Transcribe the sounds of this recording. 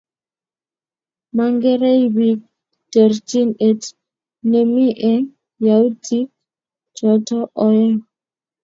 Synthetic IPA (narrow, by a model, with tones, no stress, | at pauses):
ma˨ŋɡe˦ɾe˦iwi˦k̚ | t̪e˨ɾti˦ne˦t | ne˨mi˦ʔɛ˦ŋ | ja˨u˦tʰi˦k | t͡ʃɔ˨tɔ˦ʔɔ˨jɛ˦